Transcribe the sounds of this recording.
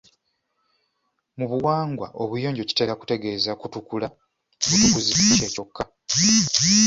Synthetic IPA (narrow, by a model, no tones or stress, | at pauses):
muβuwaːŋɡwa̰ʔo̞βujo̞ːɲɟo̞ci̥te̞laku̥te̞ɡe̞ːzakutukula | βutukuziceːco̞kːa